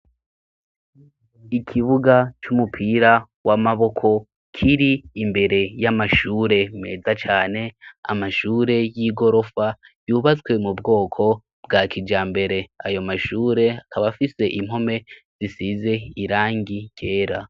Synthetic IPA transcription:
ikʰiβuɡat͡ʃumupʰiɾa | wʔamaβo̞kʰo̞ | kʰiɾiːmbe̞ɾe̞jamaʃuːɾe̞me̞̰ːzat͡ʃaːne̞a̰maʃuːɾe̞jiːɡo̞ɾo̞fa | juːβat͡swe̞mubɡo̞ːkʰo̞ | b̥̚ɡaːkʰid͡ʒaːmbe̞ɾe̞ajo̞maʃuːɾe̞akaβafise̞ʔim̥ho̞me̞z̥isize̞iɾaːŋɡike̞ːɾa

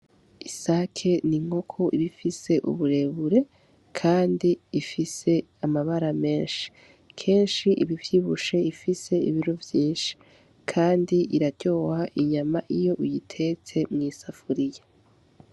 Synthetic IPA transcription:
isakʰe̞niŋho̞kʰo̞ʔiβifise̞ʔṵβuɾe̞βuɾe̞ | kʰaːndiifise̞ | amaβaɾame̞ːnʃi̥ | kʰe̞ːnʃiʔiβivjiβuʃe̞ifise̞ḭβiɾovjiːnʃi̥ | kʰaːndiiɾaɟo̞ːhaʔiɲamaʔijo̞ʔijitʰe̞t͡se̞mŋiːsafuɾije

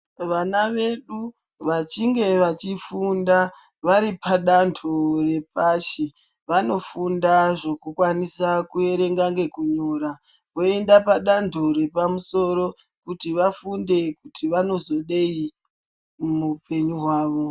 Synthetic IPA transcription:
ʋanaʋe̞ɗu | ʋat͡ʃiŋɡe̞ʋat͡ʃifunda | ʋaɾipaɗandʰore̞p̚aʃe | ʋano̞fundaʐo̞kukwanisakue̞ɾe̞ŋɡaŋɡe̞kuɲoːɾa | ʋoe̞ndapaɗandʰʱoɾe̞pamuso̞ɾo̞ | kutiʋafunde̞kutiʋano̞zo̞ɗei | mupe̞ɲuɦwaːʋo̞

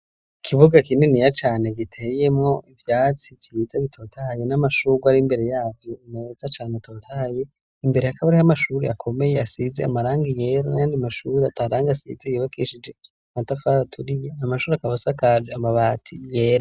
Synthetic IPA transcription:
ikʰiβuɡakinenijat͡ʃaːne̞ɡitʰe̞je̞mŋo̞ivjaːt͡sit͡ʃiɾizaβitʰo̞ːtʰajenamaʃuːɡwaɾimbe̞ɾe̞jaːvjonezat͡ʃaːnetʰotʰaje̞ | imbe̞ɾehakaβaɾihamaʃuːɾeakʰo̞me̞je̞asizeamaɾaːŋɡije̞ɾanajaːndiamaʃuːɾeatʰaːɾaːŋɡasḭzejiβakʰiʃid͡ʒe̞ | matafaɾatʰuɾijeamaʃuːɾeakaβasakad͡ʒeamaβaːtʰijeːɾa

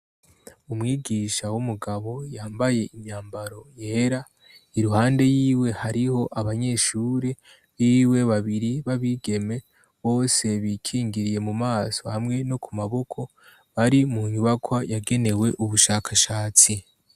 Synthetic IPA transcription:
umŋiːɡiʃawumuɡaβo̞jaːmbaje̞ʔimɲaːmbaɾo̞je̞ːɾa | iɾuhaːnde̞jiːwe̞haɾiho̞ʔaβaɲe̞ːʃuːɾe | βiːwe̞βaβiɾiβaβiɡe̞me̞ | βo̞ːse̞βiːkʰiːŋɡiɾije̞mumaːso̞hamŋe̞no̞kumaβo̞kʰo̞ | βaɾimuɲuβakwajaɡe̞ne̞we̞ʔuβuʃaːkʰaʃaːt͡si

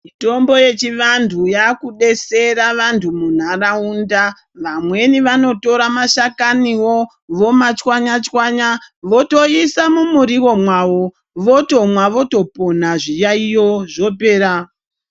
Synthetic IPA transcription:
mito̞mbo̞je̞t͡ʃiʋantʰujakuɗe̞seɾaʋantʰumun̤araunda | ʋamwe̞niʋano̞to̞ɾamaʃakaniwo | ʋo̞mat͡ʃwaɲat͡ʃwaɲaʋo̞toisamumuɾiwo̞mwawo | ʋo̞to̞mwaʋo̞to̞po̞n̤aʐijaijoʐo̞pe̞ːɾa

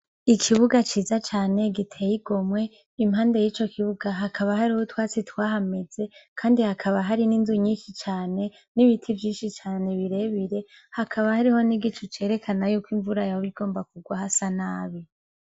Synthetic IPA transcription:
ikʰiβuɡat͡ʃiːzat͡ʃaːneɡitʰejiɡo̞mwe̞ | imhaːndejiːt͡ʃo̞kʰiβuɡaɦakʰaβaɦaɾihotwaːt͡sitwaːɦame̞z̥e̞kʰaːndihakʰaβaɦaɾininzuɲiːnʃit͡ʃaːne̞ | niβitʰivjiːnʃit͡ʃaːne̞βiɾe̞βiɾe̞ | hakʰaβahaɾiho̞niɡit͡ʃut͡ʃe̞ːɾe̞kʰanajukwiːɱvuɾajaβiɡo̞ːmbakuɡwahasanaːβi

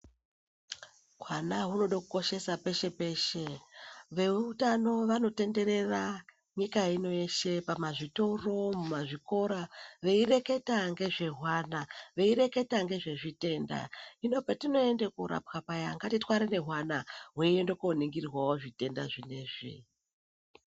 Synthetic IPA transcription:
ɦwanaɦuno̞ɗakuko̞ʃe̞sape̞ʃe̞pe̞ːʃe̞ʋe̞utano̞ʋano̞te̞nde̞ɾe̞ra | ɲikaino̞eʃe̞pamaʐito̞ro̞mumaʐiko̞ɾaʋe̞ire̞ke̞taŋɡe̞ʐe̞ɦwanaʋe̞iɾe̞ke̞taŋɡe̞ʐe̞ʐite̞ːnda̰ino̞patino̞e̞ndekuɾa̰pxapajaŋɡatitwaɾene̞ɦwanaɦuiendokoniŋɡirwawo̞ʐite̞ndaʐine̞ːʐḭ

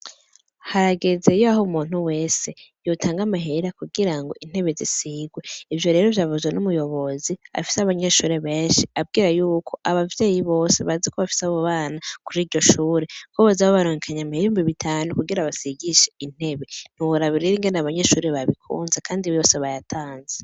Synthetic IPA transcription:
haɾaɡe̞ze̞joaɦomuːn̥uwe̞ːse̞jotʰaːŋɡamaɦe̞ɾakuɡiɾaŋɡo̞ʔin̥e̞βe̞zisiɡwe̞ivjo̞ɾe̞ːɾo̞vjaːvuzwenumujo̞βo̞zia̰fi̥seaβaɲe̞ːʃuːɾe̞βeːnʃiab̚ɡiːɾajuːkʰo̞ʔaβavje̞ːjiβo̞ːse̞βazekoβafi̥seaβoβaːnakuɾiːɾɟo̞ʃuːɾe̞koβazaβoβaɾoɲekʰaɲamiheɾimbiβitʰaːnukuɡiɾaβasiɡiʃein̥e̞βen̥uwuɾaβiɾiɾiŋɡenaβaɲeːʃuːɾeβaβikʰṵːnzekʰaːndiβojo̞ːse̞βajatʰaːnze

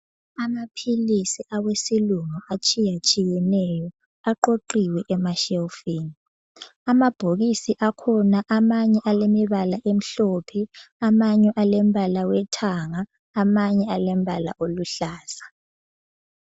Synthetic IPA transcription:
amapʰilisiʔawesiluŋuʔat͡ʃʼijat͡ʃʼijɛnɛjɔ | aǃoǃiwɛʔɛmaʃɛlfiːni | amab̥ʱoɣisiʔakʰɔnaʔamaɲɛʔalemiβalaʔem̩ɬɔpʰɛamaɲɛʔalɛm̩bʱalawɛtʰaŋaː | maɲɛalɛm̩bʱala̰ʔoluɬaːsḁ

